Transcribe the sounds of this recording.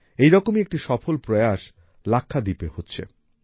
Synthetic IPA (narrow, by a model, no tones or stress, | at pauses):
ejɾɔkomiek̚ʈiʃɔfolpɾoeaʃ | lakʰːad̪ipehotːɕʰḛ